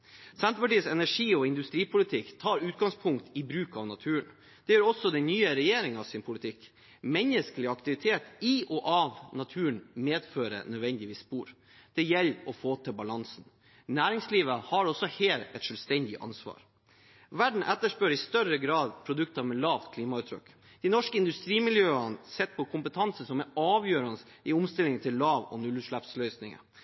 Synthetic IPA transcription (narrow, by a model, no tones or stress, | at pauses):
sɛnt̪əpɑʈiːəsɛnæʂiːɔɪnd̪ʉst̪ɾiːpʰʊlɪt̪ʰɪkt̪ʰɑːɾʉːt̪̚ɡɑŋspʰʊŋkt̪ɪbɾʉːkɑʋnɑt̪ʰʉːən | d̪̥ɛjøːɾɔsːɔd̪ɛnnyːəɾɛjeːɾɪŋɑʋsɪnpʰʊlɪt̪ʰɪk | mɛnəskəlɪɑkt̪ɪʋɪt̪ʰeːt̪ɪʔɔʔɑʋnɑt̪ʰʉːəɳmeːd̪føːɾə̰nœd̪ʋɛnd̪ɪʋiːsːpuːɾ | d̪̥ɛjɛlːɔfoːt̪ʰɪbɑlɑnsn̩ | næːɾɪŋsliːʋəhɑɾɔsːɔheːlɛt̪ʂœːlst̪ɛnd̪ɪʔɑ̰nsʋɑ̰ːɾ | ʋæɖɳ̩ʔɛt̪ːəʂpøːɾɪst̪œɾəɡɾɑːd̪pʰɾʊd̪ʉkt̪ɑmɛlɑːʋt̪kʰliːmɑʉːt̪ʰɾœ̰kː | d̪̥ɪnɔʂkəɪnd̪ʉst̪ɾiːmɪljøːənsɛt̪̚ːpʰɔkʰʊmpət̪ʰɑnsəsɔmɛɑːʋjøːɾɑnəs | ɪʊmst̪ɪlɪŋənt̪ʰɪllːɑːʋɔ̰nʉlʉːʂɭɑpslœʏsnɪŋə̰